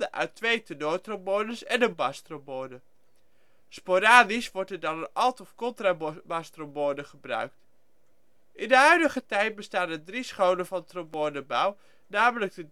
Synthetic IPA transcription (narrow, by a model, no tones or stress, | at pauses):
əʔœ̰ɥtʋejtənoːtromoːnəsɛnənbɑstromonə | spoɾaːdisʋɔɹtɛɹdɑnənɑlˠtɔfkɔntrabɑstromoːnəχəbrœ̰ɥk̚t | ʔɪndəɦœɥdəχətɛjt̚bəstaːnəndrisχownəvɑntromoːnəbɑw | naːmələk̚də